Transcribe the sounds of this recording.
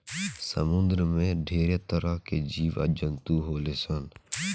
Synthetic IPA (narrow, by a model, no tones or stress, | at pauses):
sə̰mʊ̃nd̪ɾəmẽɖʱeːɾet̪əɾaked͡ʒiːʋə̰d͡ʒənt̪uɦoːleːsən